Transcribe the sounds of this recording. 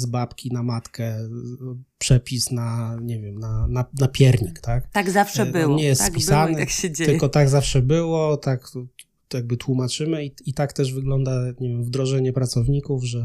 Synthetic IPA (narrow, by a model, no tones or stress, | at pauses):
zbapkʲinamat̪kɛ | pʂɛpʲisnaɲɛvʲjɛmnananapʲjɛɾɲikt̪akt̪aɡzafʂɛbɘwɲɛjɛst̪spʲisanɛakɕed͡ʑt̪ɘkɔt̪aɡzafʂɛbɘwɔt̪ak | jaɡ̚bɘt̪wumat͡ʂɘmɘiit̪akt̪ɛʐvɘɡlɔnd̪aɲɛvʲjɛmvd̪ɾɔʐɛɲɛpɾat̪sɔvɲikuvʐɛ